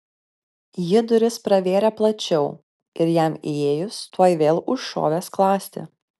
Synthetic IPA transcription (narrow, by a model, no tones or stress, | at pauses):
jɪd̪ʊɾʲɪspɾɐʋʲeːɾʲɛplˠɐt͡ʃʲɛʊ | ɪɾjæmieːjʊst̪uɔjʋʲeːlˠʊʃʃo̰ːʋʲeːsklˠɑːsʲt̪ʲɪ̰